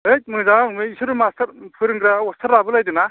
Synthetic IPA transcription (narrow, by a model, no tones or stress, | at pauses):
et̚mɯŋzaaŋmɯisuɾɯmastʰɐɾpʰɯɾɯŋɡɾawɔstʰɐɾːabɯlajdɯna